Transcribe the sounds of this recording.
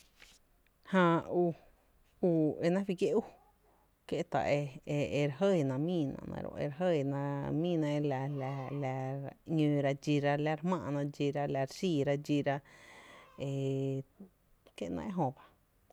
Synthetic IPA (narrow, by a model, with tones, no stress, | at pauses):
hã˧u˧ | u˧e˧nã˦fi˧ke˦ʔu˦ | kje˦t̪a̰˧e˧e˧e˧ɾa˨ɦə˦˧˨nã˧˨mĩː˦˧˨nã̰˧nã̰˧ɾõ̰˧ʔḛ˧ɾɦə˦˧˨nã˧mĩː˦˧˨nã˧e˧la˧la˧la˧ɲũː˧ɾa˧d͡ʒi˧ɾa˧la˧ɾhmãː˧ʔnã˧d͡ʒi˧ɾa˧la˧ɾsiː˧˨ɾa˧d͡ʒi˧ɾa˧ | e˧˨ | ke˦˧˨nã̰˧ʔe˦ɦõ˧ba˧